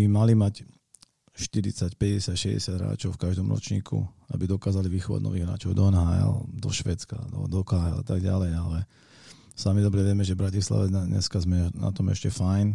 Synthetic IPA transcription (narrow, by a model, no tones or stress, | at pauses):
bimalimac | ʃt̪iɾḭt͡sacpɛɟɛsɪacʃɛɟɛ̰sɪad̪ɦɾa̰ːt͡ʃɔʊfkaʒd̪ɔmɾɔ̰t͡ʃɲḭːkʰṵa̰bid̪ɔkaːzaliʋixɔʋa̰ɟnɔ̰ʋiːɣɦɾa̰ːt͡ʃɔʊd̪ɔɛnɦaɛ̰ld̪ɔʃʋɛːt͡ska̰d̪ɔd̪ɔkaɦɛa̰t̪aɡɟalɛjalɛ | samid̪ɔbɾɛʋɛmɛʒɛvbɾacisla̰ʋɛɲɛ̰skazmɛna̰t̪ɔmɛ̰ʃcɛfajn